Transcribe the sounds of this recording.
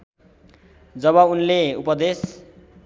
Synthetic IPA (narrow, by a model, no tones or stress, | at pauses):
d͡zʌβʌunleupʌd̪es